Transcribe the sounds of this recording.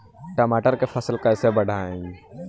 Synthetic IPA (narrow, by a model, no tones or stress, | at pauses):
ʈɐmaːʈəɾkefʰɐslkɐɪsebɐɽ̤ʱaːẽɡ